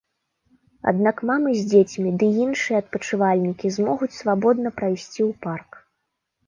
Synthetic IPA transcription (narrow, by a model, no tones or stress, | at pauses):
a̰d̪nakmamɨzʲd͡zʲet͡sʲmʲid̪ɨinʂɨjɛɐt̪̚pɐt͡ʂɨvalʲnʲikʲizmɔɣut͡sʲsvabɔd̪̚nɐpɾajsʲt͡sʲiwpark